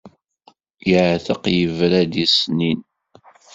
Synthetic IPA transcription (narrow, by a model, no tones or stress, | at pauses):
jəʕθəqjəvɾæd̪isnin